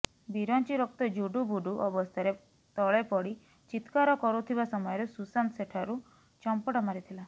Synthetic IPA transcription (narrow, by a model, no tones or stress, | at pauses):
biɾɔnt͡ʃiɾɔk̚t̪ɔd͡ʒuɖubuɖuʔɔbɔst̪ʰaɾe | t̪ɔɭepɔɽi | t͡ʃit̪kaɾɔkɔɾut̪ʰibasɔmɔjɔɾesusanseʈʰaɾu | t͡ʃɔmpɔʈɔmaɾit̪ʰila